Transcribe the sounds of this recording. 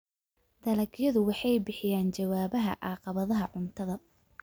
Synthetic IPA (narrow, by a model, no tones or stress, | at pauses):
d̪̥ɐlɐɡjɐðʊwɑħɑjbɪħɪjaːnt͡ʃɐwaːβɐɦɐ̰ʔɑːqɑβɐðɐɦɐʕʊnt̪ʰɐðɐ